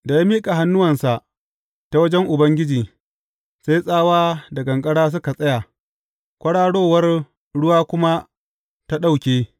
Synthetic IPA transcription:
da˨ja˦miː˦kʼa˨ɦa˦nːʊ˦wɐ˨nsa˨ʔ | ta˨wɐ˦d͡ʒɛ˦ŋʔʊ˨bɐ˦ŋɡʲɪ˦d͡ʒiː˨ | sa˦jsʼaː˦waː˦dɐ˨ɡɐ˨ŋkʼɐ˦ɽaː˦s̬ʊ˦ka˨sʼɐ˦ja˨ | kʷʼɐ˦ɽaː˦ɽoː˦˨wɐ˦r | ɽʊ˦waː˦kʷʊ˦ma˦ | ta˦ɗa˦wkʲeː˦

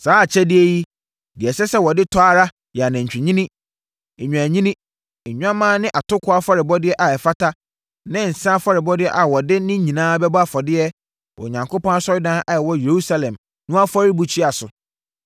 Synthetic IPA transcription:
saː˦˨t͡ɕʰɛ˦dɪ˦e˦ji˦ | dɪ˨ɛ˨sɛ˦sɛ˦wɔ˨dɪ˦tʰɔ˦a˦ɾa˦ | jɛ˨a˨nɛ̃˨ɲ̩˨t͡ɕᶣi˨ɲĩ˦nĩ˦˨ | ɲ̃ᶣ˨æ˨ɲĩ˦nĩ˦˨ | ɲᶣ˦ã˦mãː˦nɪ̃˦ʔa˨tʰʊ˦kʰʊ˦a˦fɔ˦ɾɪ˨bɔ˦dɪ˦ɛ˦ʔa˨ɛ˨fa˦tʰa˦ | nɪ̃˦n̩˨sã˦fɔ˦ɾɪ˨bɔ˦dɪ˦ɛ˦ʔa˨wɔ˨dɪ˦nɪ̃˦ɲĩ˨nãː˦bɛ˦ba˦fɔ˨dɪ˦ɛ˦ | wɔ̰˨ɲã˨ŋkʰo˦pɔ̃˦na˦sɔ˦ɾɪ˦dã˦ʔa˨ɛ˨wɔ˦je˨ɾu˦sa˦lɛ̃˨m | nʊ̃˦a˦fɔ˦ɾi˦bu˨t͡ɕʰi˦a˨sʊ˨

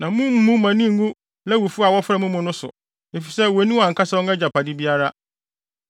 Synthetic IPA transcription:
nã˨mũ˦m̩˦mũ˦mã˨nĩ˦˨ŋ̩˦ɡũ˦ | lɛ˦wu˨fu˦a˨wɔ˦fɾɛ˦˨mʊ̃˦mʊ̃˦nʊ̃˦sʊ̰˨ | e˨fi˨sɛ˦wo˨˦nĩ˦wa˨ŋ̩˨kʰa˦sɛ˦wɔ̃˦ŋɛ˦d͡ʑa˨pʰa˨dɪ˦bi˦a˦ɾa˦

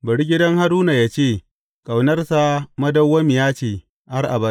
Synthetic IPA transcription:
bɐ˨ɽi˦ɡʲɪ˦dɐ˦ŋha˦ɾuː˦na˨jaː˦t͡ʃeː˦˨ | kʼa˨wnɐ˦rsa˦mɐ˦dɐ˦wːɐ˦mɪ˨jaː˦t͡ʃeː˨ | ʔa˦rʔa̰˨bɐ˦

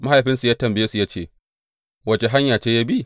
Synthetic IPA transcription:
ma˦ha˨jɸɪ˦nsu˨jaː˦tɐ˨mbɪ˦jeː˦su˨ja˦t͡ʃḛː˦˨ | wɐ˨t͡ʃe˨ɦa˦ɲjaː˨t͡ʃeː˦jaː˦bi˦

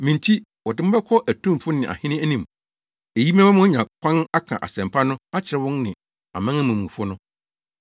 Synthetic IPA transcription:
mɪ̃˨ntʰi˦ | wɔ˨dɪ˦m̩˦bɛ˦kʰɔ˦ʔæ˨tʰũ˦m˨fʊ˦nɪ̃˨ʔa̰˨hɪ̃˦nɪ̃˦æ˦nĩ˨m | e˨ji˦m˦ã˦mã˦mʊ̃˦ɲã˨kʷʰã˦ŋa˦kʰã̰˨ʔa̰˨sɛ̃˨m˨pʰa˦nʊ̃˦a˦t͡ɕʰɪ˨ɾɪ˦wʊ̃˦nnɪ̃˨ | a̰˨mã˦ŋæ̃˦mũ˨mũ˨fʊ˦nʊ̃˦

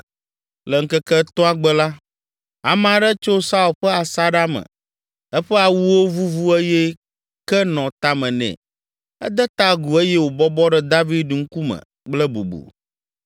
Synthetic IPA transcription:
lɛ˨ŋ̩˦kɛ˦kɛ˦t̪ɔ̃˦a˨ɡ͡bɛ˦la˦ | a˨m˦˨a˨ɖɛ˦t͡ʃo˦sa˦u˨lɸɛ˦a˨sa˦ɖa˦mə̰̃˨ | ɛ˦ɸɛ˦a˨wu˦wo˦vu˦vu˦e˦jɛ˦ | kɛ˦nɔ̃˨t̪a˦mɛ̃˨nɛ̰̃˨ | ɛ̰˦d̪ɛ˦t̪a˦ɡu˨e˦jɛ˦wo˨bɔ˦bɔ˦ɖɛ˦d̪a˦vi˦d̪̚ɖu˨ŋ̩˦ku˦mə̰̃˨ | k͡plɛ˦bo̰˨bo̰˨

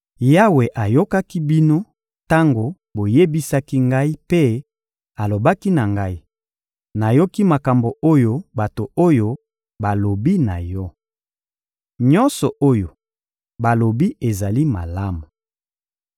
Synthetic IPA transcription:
ja˦we˨ʔa˨jo˦ka˦ki˦bi˦no˦ | ta˦ŋɡo˨ | bo˨je˦bi˦sa˦ki˦ŋɡa˦i˦pe˦ | a˨lo˨ba˦ki˦na˨ŋɡa˦i˦ | na˨jo˦ki˦ma˨ka˨mbo˨o˦jo˦ba˨to˨o˦jo˦ | ba˨lo˨bi˦na˨jɔ˦ | ɲɔ˦nsɔ˨ʔo˦jo˨ | ba˨lo˨bi˦e˨za˨li˦ma̰˨la˦mu˨

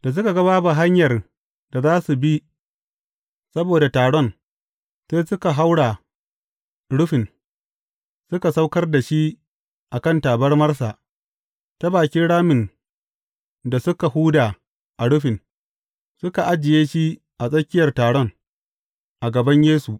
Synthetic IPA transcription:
d̥a˨s̬ʊ˦ka˨ɡɐ˦βaː˦ba˨ɦa˦ɲjɐ˨r | d̥a˨zaː˦su˨bi˦ | sɐ˦boː˨da˨taː˨ɽɔ˦˨n | seː˦sʊ˦ka˨ɦa˦wɽa˨ | ɽʊ˦ɸɪ˨n | sʊ˦ka˨sa˦wkɐ˦rda˨ʃi˦ | ʔa˨kɐ˦ntaː˨bɐ˦rmɐ˦rsa˨ | sɐ˦baː˨kʲɪ˦ɽaː˦mɪ˨n | da˨sʊ˦ka˨huː˦daː˨ | ʔa˨ɽʊ˦ɸɪ˨n | sʊ˦ka˨ʔa˦d͡ʒɪ˨jeː˦ʃi˦ | ʔa˨sʼɐ˦kʲɪ˦jɐ˨rtaː˨ɽɔ˦n | ʔa˨ɡɐ˨bɐ˦ɲjeː˦su˨ʔ

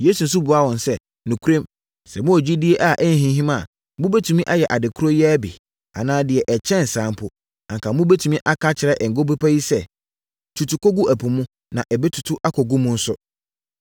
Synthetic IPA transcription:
jeː˦su˨n̩˨sʊ˦bu˨a˦wɔ̃˨n˨sɛ˦ | nʊ̃˨kʰu˦ɾẽ˦m | sɛ˨mʊ̃˦ɔ˨d͡ʑi˦di˦e˦ʔa˦˨ʔɛ˦n˦ɦĩ˦ɦĩ˦mã˦˨ | mʊ̃˦be˦tʰũ˨mĩ˦ʔa˦jɛ˨ʔa˨dɪ˨kʰu˦ɾo˦jɛ˦æ˦bḭ˨ | a̰˨nãː˦dɪ˨ɛ˨ʔɛ˨t͡ɕʰɛ̃˦˨n̩˨sãː˨˦m˦pʰʊ˦˨ | ã˨ŋkʰa˨mʊ̃˦be˦tʰũ˨mĩ˦ʔa˦kʰa˦t͡ɕʰɪ˨ɾɛ˦ʔɛ˨ŋ̩˨ɡo˦be˦pʰa˦ji˦sɛ˦ | tʰu˨tʰu˨ko˦ɡu˦ʔæ˨pʰũ˨mũ˦ | nã˨ʔɛ˨be˦tʰʊ̥˨tʰʊ˦ʔa˦kʰɔ˨ɡu˦mʊ̃˦n̩˦sʊ˦

